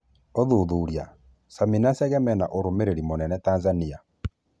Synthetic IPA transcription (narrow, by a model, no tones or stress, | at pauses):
oðuðuːɾia | saminasɛɣɛmɛnaʔoɾomeɾeɾimonɛnɛtanzania